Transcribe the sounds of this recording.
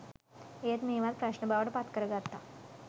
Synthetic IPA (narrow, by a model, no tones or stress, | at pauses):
et̪meʋat̪̚pɾaɕnəbaʋəɽpat̪kəɾəɡat̪ːa